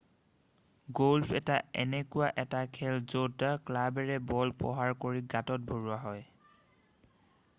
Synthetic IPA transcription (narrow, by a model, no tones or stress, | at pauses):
ɡolfʰɛtaɛ̰nɛkʊwaʔɛtakʰɛlzotaklabɛɹɛbɔlpɔ̰ɦaɹkoɹiɡatɔt̚bʱoɹuaɦɔj